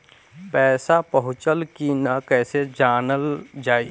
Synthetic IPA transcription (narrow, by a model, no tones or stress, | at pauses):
pɛːsapəɦʊt͡ʃəlkinakɛːsed͡ʒaːnəld͡ʒaːi